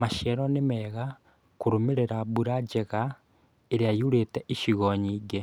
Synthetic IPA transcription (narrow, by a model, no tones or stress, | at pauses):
maʃɛɾonemɛɣa | kuɾomeɾeɾaβuɾad͡ʒeɣa | eɾeajuɾeteʔiʃiɣoɲiːɡe